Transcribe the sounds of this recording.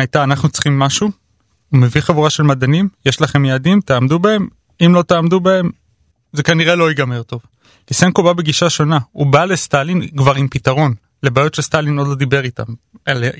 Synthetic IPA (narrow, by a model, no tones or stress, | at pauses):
ajt̪aːnaχnut͡sχimːaʃuː | me̞viχavuʁaʃe̞lmad̪animje̞ʃlaχe̞mjeːd̪imt̪eamd̪ubae̞m | imlo̞t̪aːmd̪ubae̞m | ze̞kaniʁelo̞iɡameʁt̪o̞v | lisemkobabe̞ɡiʃaʃo̞naubale̞st̪alinkvaʁimpit̪aʁo̞n | lebaːjo̞t̪ʃest̪alino̞d̪lo̞d̪ibe̞ʁit̪a̰m | ele